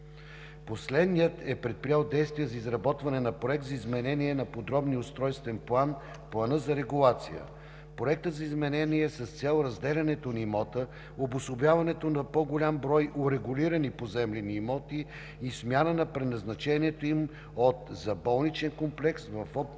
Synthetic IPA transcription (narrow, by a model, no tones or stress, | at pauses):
poslɛd̪nijət̪ɛpɾɛt̪̚pɾijalˠd̪ɛjst̪vijəzɐizɾɐbɔt̪vɐnɛnɐpɾoɛk̚t̪zɐizmɛnɛniɛnɐpod̪ɾɔbniʊst̪ɾɔjst̪vɛnplˠan | plˠɐnɤzɐɾɛɡulˠat̪sijə̰ | pɾoɛk̚t̪ət̪zɐizmɛnɛniɛsɐst̪sʲɛlˠɾɐzd̪ɛlʲɐnɛt̪onimɔt̪ə | obʊsobjavɐnɛt̪onɐpoɡolʲambɾɔjʔʊɾɛɡʊliɾənipozɛmlʲɛniːmɔt̪iː | smʲjanənɐpɾɛnɐznɐt͡ʃɛniɛt̪oim | ot̪zɐbɔlˠnit͡ʃɛnkomplɛksvɐfɔ